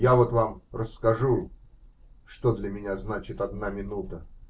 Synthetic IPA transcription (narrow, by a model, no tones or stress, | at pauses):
javo̞t̪vamrəsːkɐʐu | ʂt̪od̪lʲəmʲɪnʲaznat͡ɕɪt̪ɐd̪namʲɪnut̪ə